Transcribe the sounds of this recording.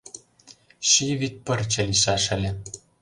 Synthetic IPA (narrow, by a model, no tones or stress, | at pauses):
ʃiβit̪̚pɤ̆rt͡ɕĕliʃɑʃɘ̆lʲĕ